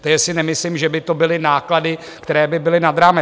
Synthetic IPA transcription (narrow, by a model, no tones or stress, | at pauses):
t̪ɛʒɛsɪnɛmɪslimʒɛbɪt̪o̞bɪlɪnaːkladɪ | kt̪ɛɾɛːbɪbɪlɪnad̪ɾaːmɛ